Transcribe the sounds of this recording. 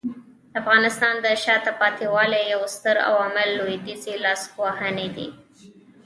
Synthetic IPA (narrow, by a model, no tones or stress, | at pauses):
d̪̥əafɣɑnɪst̪ɑnd̪əʃɑt̪apɑt̪iwɑlejawst̪əɾa̰wamalːojd̪izelɑsxwahaned̪ḭ